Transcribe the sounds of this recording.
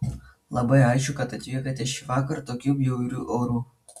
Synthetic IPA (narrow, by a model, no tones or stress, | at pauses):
lˠɐbɐɪɑˑɪʃʲkʲʊkɐt̪ɐt̪ʲʋʲiɛkɐt̪ʲɛʃʲiʋɑːkɐɾt̪oːkʲuːjɛʊɾʲuːʔoːɾuː